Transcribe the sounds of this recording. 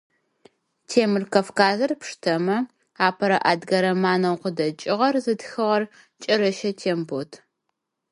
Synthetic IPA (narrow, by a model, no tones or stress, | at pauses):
tʰeːmɨrkɐfkaːzɐrpʂtʰɐmɐ | aːpʰɐɾɐʔaːdɡɐɾɐmaːnɐwqədɐt͡ʃʼɪʁɐrzɨdxɨʁɐr | t͡ʃʼɐɾɐʃɐtʰeːmbotʰ